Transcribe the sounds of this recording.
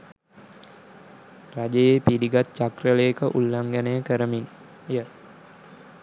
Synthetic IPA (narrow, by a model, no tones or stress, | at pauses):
rad͡ʒejepiɾiɡat̪̚t͡ʃakrələjekəʔulːaŋɡænəjəkəɾəmin | jə